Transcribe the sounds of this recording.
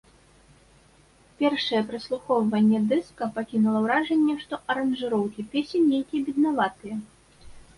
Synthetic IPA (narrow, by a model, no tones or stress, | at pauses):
pʲɛrʂɐjɛpɾɨslˠuxɔwvɐnʲːɛd̪ɛskɐpakʲinulˠɐwɾaʐɛnʲːɛʂt̪ɔʔɐɾɐnʐɨɾɔwkʲipʲesʲɛnːʲejkʲijɐbʲid̪navat̪ɨjɛ